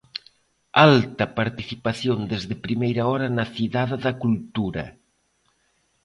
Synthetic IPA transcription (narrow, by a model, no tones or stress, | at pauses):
alt̪ɐpaɾt̪iθipaθjond̪ezðɪpɾimejɾɐɔɾɐnɐθiðaððɐkult̪uɾɐ̰